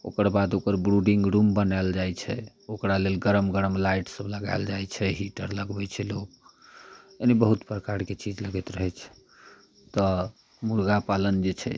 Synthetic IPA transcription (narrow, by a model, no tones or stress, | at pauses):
o̰kəɾbad̪okəɾbɾuɖĩŋɡɾumbənaeld͡ʒajt͡ʃʰɛ̰ | okɾalelɡəɾəmɡəɾəmlajʈsəbləɡa̰eld͡ʒajt͡ʃʰɛɦiʈəɾləɡbɛt͡ʃʰɛlok | enebəɦut̪pɾəkaɾket͡ʃid͡ʒləɡɛt̪ɾəɦɛt͡ʃʰɛ̥ | t̪ɔ | muɾɡapalənd͡ʒet͡ʃʰɛ̰